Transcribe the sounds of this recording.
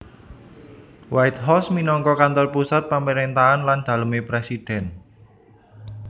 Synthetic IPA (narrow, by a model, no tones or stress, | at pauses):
wajt̪̚hɔsminɔŋkɔkant̪ɔrpusat̪̚paməɾent̪aanland̪̥a̤ləmepɾesid̪̥ɛn